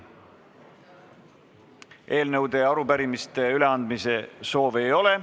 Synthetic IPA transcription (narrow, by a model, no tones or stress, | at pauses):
e̞ːlnɤwd̪e̞ɑɾupæɾimist̪e̞yle̞ɑnd̪mise̞so̞ːve̞jo̞le̞